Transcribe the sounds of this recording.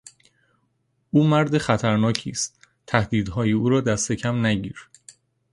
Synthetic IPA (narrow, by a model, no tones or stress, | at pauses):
ʔuːmæɾd̪exæt̪ʰæɾnɒːcʰḭːst̪ | t̪ʰæhd̪iːd̪ɦɒːjiuːɾɒːd̪æst̪ecʰæmnæɟiːɾ